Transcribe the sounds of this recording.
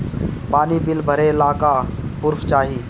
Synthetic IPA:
paːnibɪlbʱəɾelaːkapʊɾft͡ʃaːɦiː

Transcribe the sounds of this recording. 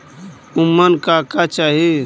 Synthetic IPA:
umːənkakat͡ʃaːɦi

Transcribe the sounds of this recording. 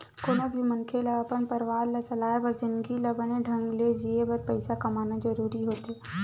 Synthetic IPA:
koːnobʱimənkʰelɐəpənpəɾʋaːɾlat͡ʃəlaːjebəɾd͡ʒɪnɡiləbəneɖʱə̃ŋɡled͡ʒiebɐɾpəɪsakɐmaːnad͡ʒɐɾuːɾiɦoːt̪eː

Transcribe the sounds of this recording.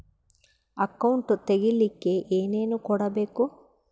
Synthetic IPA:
ɐkːɐwuɳʈut̪eɡilːikːeʔeːne̞ːnukɔɽɐbe̞ːku

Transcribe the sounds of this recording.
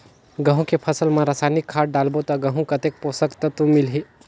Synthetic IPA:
ɡɐ̃ɦũkepʰɐsəlmãɾasaːnɪkʰːaːʈ̚ɖaːlbot̪ɔɡɐɦũkɐt̪eːk̚poːsəkt̪ɐt̪ũmɪlɦi

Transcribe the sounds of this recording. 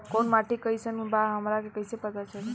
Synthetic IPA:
konmaʈikəjsənbaɦəmɾakekəjsepət̪at͡ʃʰəl

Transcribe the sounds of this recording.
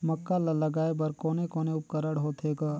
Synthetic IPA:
mɐkːalɐlɐɡaːebəɾkoːnekoːneʊp̚kəɾəɽɦoːt̪ʰeːɡaː

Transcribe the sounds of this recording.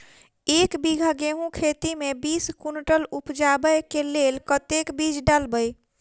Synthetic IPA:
ekbiɡʱaɡeɦũkʰet̪imebiskunʈəlupd͡ʒabəjkelelkət̪ekbid͡ʒɖalbəj

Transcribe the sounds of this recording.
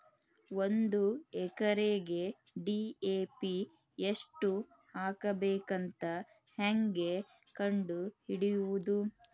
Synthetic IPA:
o̞nd̪uɛkɐɾeɡe̞ | ɖiːeːpi | eʂʈu | haːkɐbeːkɐnt̪ɐ | heŋɡe̞ | kɐɳɖuhiɽijuʋud̪u

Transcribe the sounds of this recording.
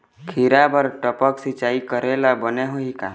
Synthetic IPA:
kʰiɾabəɾʈəpəksit͡ʃaːikəɾelabəneɦoika̰

